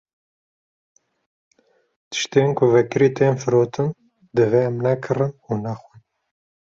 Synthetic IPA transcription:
t̪ʰɨ̥ʃt̪eːnkʰʊvɛkɨɾiːt̪ʰeːmfɨɾoːt̪ʰɨn | d̪ɨveɛmnɛkʰɨrɨnunɛxʷin

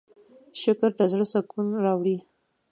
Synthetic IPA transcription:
ʃʊkɾt̪azɽəsakunɾɑwɽi

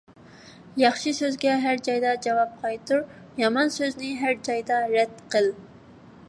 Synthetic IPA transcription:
jɑχʃɨsøzɡʲɛɦæɾd͡ʒɑjd̪ɑd͡ʒɑwɑp̚qʰɑjt̪uɾ | jɑmɑnsøznɪɦæɾd͡ʒɑjd̪ɑɾɛd̪qəlˠ

